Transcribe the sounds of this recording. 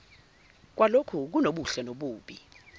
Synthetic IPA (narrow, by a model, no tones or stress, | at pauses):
k̬walokʰuk̬unoɓuɬɛnoɓuːɓi